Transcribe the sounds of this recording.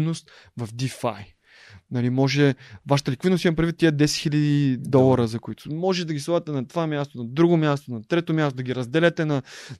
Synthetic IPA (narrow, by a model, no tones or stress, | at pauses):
nost̪ | vɐfd̪ifa̰j | nɐlimɔʒɛvaʃə̥t̪əlikvid̪nost̪imɐpɾdvit̪ːiəd̪ɛsɛt̪xilʲɐd̪id̪ɔlˠɐɾəzɐkʊit̪ʰʊmɔʒɛd̪ɐɡʲislˠad̪ət̪ɛnɐt̪ovamʲjast̪onɐd̪ɾuɡomʲjast̪onɐt̪ɾɛt̪omjast̪od̪ɐɡʲiɾɐzd̪ɛlʲɛt̪ɛnɐ